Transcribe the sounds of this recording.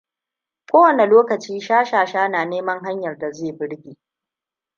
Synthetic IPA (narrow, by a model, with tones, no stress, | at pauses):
kʷoː˦wɐ˨ne˨loː˦kɐ˨t͡ʃiː˦ʃaː˦ʃaː˨ʃaː˦naː˨neː˦mɐ˦ŋɦa˦ɲjɐ˨rda˨zeː˦˨bɪ˦ɽɡʲiː˨